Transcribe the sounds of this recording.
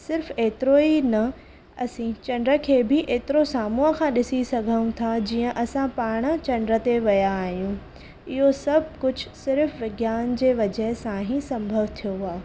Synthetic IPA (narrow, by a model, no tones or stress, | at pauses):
sɪɾfeːt̪ɪɾoːinɐ | ɐsĩt͡ɕɐ̃ɳɖɾə̆kʰeːbɪʔeːt̪ɪɾosaːmũːɦəkʰãːɗɪsisɐɡʱəũt̪ʰad͡ʑiːə̃ʔɐsãpaːɾɽ̃t͡ɕɐ̃ɳɖɾə̆t̪eʋɐjaːɦijũ | ɪɦosɐbʱkʊd͡ʑʱʊ̆sɪɾfʋɪɡjaːnd͡ʑeːʋɐd͡ʑəɦsãɦĩsɐ̃mbʱəʋt̪ʰijoɦʊaː